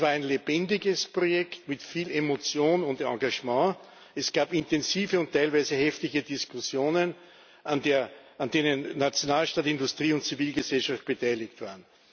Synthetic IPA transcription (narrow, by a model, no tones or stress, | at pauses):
svaːɐæɪnleb̥ɛndɪɡəspʁojɛktmɪtfiːlemot͡sjoːnʊntã̰ŋɡaʒmɑ̃ː | ɛsɡ̥aːpɪntɛnziːvəʊntʰːæɪlvæɪzəhɛftɪçədiskʰʊsjoːnən | ʔandeːɐ | ʔandeːnənːat͡sjonaːlʃtaːtindʊstʁ̥iːʊntt͡siviːlɡəzɛlʃaft̚b̥ətʰaɪlɪktv̥aːɐən